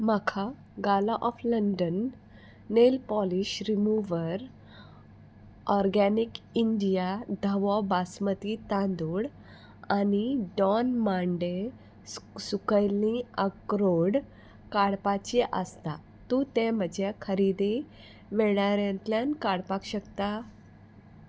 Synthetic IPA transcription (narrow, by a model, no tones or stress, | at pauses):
makʰa | ɡalaʔɔfləɳɖənː | elpɔliɕɾimuʋəɾ | ɔɾɡanikiɳɖijad̪ʱəʋɔbasmət̪it̪ãnd̪uɽ | aniɖɔnmãɳɖe | sukəjlĩəkɾoɽ | kaɽpat͡ɕiʔəst̪a | t̪ut̪em̤əd͡ʑʱekʰəɾid̪e | ʋeɭaɾjãnt̪ljankaɽpakɕəkt̪a